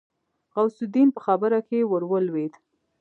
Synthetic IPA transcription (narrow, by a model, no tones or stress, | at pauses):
ɣawsʊd̪inpəxabəɾakewəɾwəlwed̪